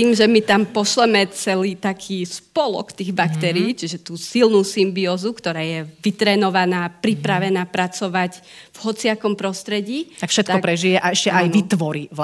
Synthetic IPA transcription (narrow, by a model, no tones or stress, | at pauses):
t̪iːmʒɛmit̪ampɔʃlɛmɛt͡sɛliːt̪akʰiːspɔlɔ̰kt̪iːɣbakt̪ɛɾiːt͡ʃiʒɛt̪uːsilnuːsimbiɔːzukt̪ɔɾaːjɛʋit̪ɾɛːnɔʋanaːpɾipɾaʋɛnaːpɾat͡sɔʋaɟ | vɦɔt͡siakɔmpɾɔst̪ɾɛɟiːakfʃɛt̪t̪kɔkpɾɛʒijɛʔaɛʃcɛʔaj̪ʋit̪ʋɔɾiʋ